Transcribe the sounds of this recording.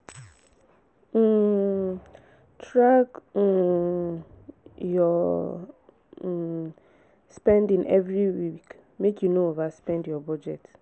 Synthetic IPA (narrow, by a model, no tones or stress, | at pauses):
tɹak | jɔ | spɛ̃ndɪ̃ŋɛvɾiwik | mekjunoovaspɛ̃ndjɔbɔd͡ʒɛt